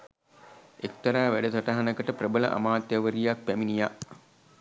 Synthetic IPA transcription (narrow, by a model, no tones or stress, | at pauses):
ek̚t̪ɐɾaːʋæɖət̪ɐʈaɦanəkəʈəprəbələʔa̰maːt̪jaʋəɾijak̚pæminijaʔ